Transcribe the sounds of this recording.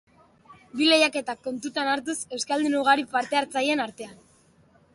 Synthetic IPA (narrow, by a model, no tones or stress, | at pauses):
bile̞jake̞t̪akːo̞nt̪ut̪anaɾt̪̬use̞wskald̪inuɣ̞aɾipaɾt̪e̞aɾt͡saje̞naɾt̪e̞an